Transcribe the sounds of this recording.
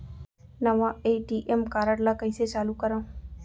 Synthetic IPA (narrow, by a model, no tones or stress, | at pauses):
nəʋãeʈiʔemkaɾəɽlakəjset͡ʃalukəɾa